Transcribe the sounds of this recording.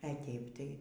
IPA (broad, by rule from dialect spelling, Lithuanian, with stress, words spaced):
ɛ ˈtʲɛɪp ˈtɐɪ